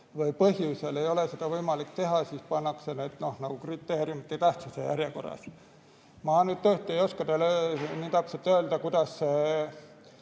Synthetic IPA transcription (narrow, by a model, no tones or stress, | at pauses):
vɤjpɤɦjuse̞le̞jo̞le̞se̞d̪̥ɑvɤjmɑlikt̪e̞ɦɑsiːspɑnːɑkse̞ned̪̥no̞hnɑɡ̥ukrit̪ːˑe̞ːɾiumit̪ːˑejt̪æht̪sisejæɾjeko̞rːɑ̰s | mɑːnyd̪̚t̪øht̪ˑejo̞skɑd̪eløniːt̪ɑpselt̪ø̞ːld̪ɑkud̪̥ɑsːe